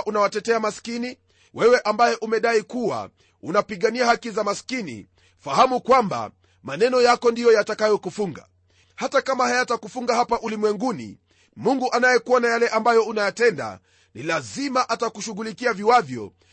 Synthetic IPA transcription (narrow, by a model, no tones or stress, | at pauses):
ʔunawatɛtɛamaskini | wʔɛwɛʔambajɛʔumɛɗaikuwa̰ | unapiɠaniahakizamaskinḭ | fahamukwamba̰ | manɛnɔjakɔndijɔjatakajɔkufuŋɡa̰ | hatakamahajatakufuŋɡaɦapaʔulimwɛŋɡunḭ | muŋɡuʔanajɛkuɔnajalɛʔambajɔunajatɛnda̰ | nilazimaʔatakuʃuɣulikiaviwavjɔ̰